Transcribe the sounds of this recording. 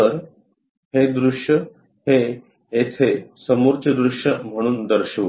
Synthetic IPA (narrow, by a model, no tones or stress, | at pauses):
əɾ | hed̪ɾuʂjə | he | et̪ʰesəmuɾt͡ɕ̪ʰəd̪ɾuʂjəm̤əɽ̃uːnd̪əɾɕəʋ